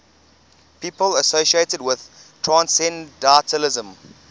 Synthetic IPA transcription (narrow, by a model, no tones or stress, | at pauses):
pʰiːpələsoʃietədwɪð̥tʰɹãnsɛ̃ndɛtʰəlɪzə̃m